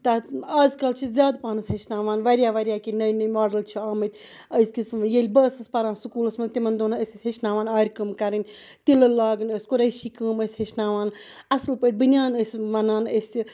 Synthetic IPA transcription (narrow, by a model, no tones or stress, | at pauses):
t̪ɐaːzkɐlt͡ʃʰizʲjaːd̪paːnɨsʲɦɐt͡ʃnaːʋaːnʋɐɾʲjaːʋɐɾʲjaːkinɐjnɐjmaːɖɐlt͡ʃʰiaːmɐt̪ʲ | əsʲkismjelʲbɐsɨspɐɾãːnsukuːlɐsmɐnʲt̪imɐnd̪oːnɐɐsʲisʲhɐʃnaːʋaːnaːɾʲkəːmkɐɾɨnʲt̪ilɐlaːɡnəsʲkuɾɐjʃiːkəːməsʲhɐʃnaːʋaːnɐsɨlpət̪̚ʲbɨnʲjaːnəsʲmɐnaːnəsʲi